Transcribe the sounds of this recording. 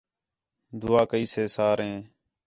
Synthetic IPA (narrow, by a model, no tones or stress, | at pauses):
d̪ʊːaːkəiːseːsaːɾɦẽː